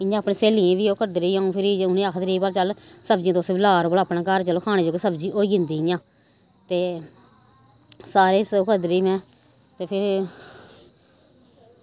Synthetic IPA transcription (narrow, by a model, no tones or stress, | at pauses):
ɪjãːpɳeːseːliẽːʋiːoːkəd̪ɾeiːãːũːpʰɪɾiːʊnẽːakʰt̪əɾiːbaːlt͡ʃəlsəbd͡ʒĩãt̪oʊːsːʋiːlaːɾoːbəlːpnaːkəɾt͡ʃəloːkʰaːnẽːd͡ʒoːkesəbd͡ʒiːʔoːiːɪnd̪iːjãː | t̪eː | saːɾeːsoːkəd̪ɾeːmɛ̃ː | t̪eːpʰɪɾ